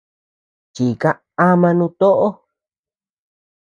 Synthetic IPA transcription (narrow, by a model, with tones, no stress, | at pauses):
t͡ʃi˨ka˧ | a˦mã˧nũ˧t̪o˦ʔo˦